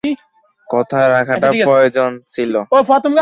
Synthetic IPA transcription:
ki | kɔt̪ʰaeɾakʰaʈapɾɔjod͡ʑont͡ɕʰiloofɔt̪omk

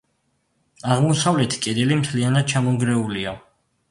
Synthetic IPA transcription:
aʁmɔsavlɛt̪ʰi̥kʼɛd̪ɛlimt̪ʰlianad̪̥̚t͡ʃʰamɔŋɡɾɛulia

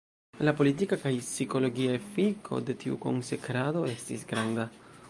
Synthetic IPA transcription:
lapo̞litikakajsiko̞lo̞ɡiaefikʰo̞̰de̞tiuko̞̰nse̞kɾado̞e̞stisɡɾanda

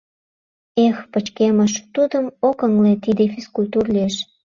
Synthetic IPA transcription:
expət͡ɕkeməʃt̪ud̪əmokəŋlet̪id̪efiskulʲt̪urlʲyeʃ

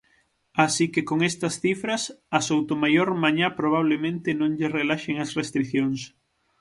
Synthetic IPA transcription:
asikekoŋest̪ɐsθifɾɐsɐsowt̪omajoɾmaɲapɾoβ̞aβ̞lemẽnt̪ɪnõŋʎerelaʃeŋɐsrest̪ɾiθjoŋs

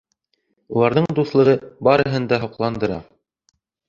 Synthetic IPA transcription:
ulˠɑɾðɤɴd̪uθlˠɤ̆ʁɤbɑɾɤ̆ɦɤnd̪ɑɦŏqlˠɑnd̪ɤ̆ɾɑ̰

